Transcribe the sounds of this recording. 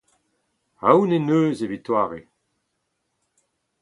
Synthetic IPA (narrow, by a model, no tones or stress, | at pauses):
awnenøːzevit̪waːʁe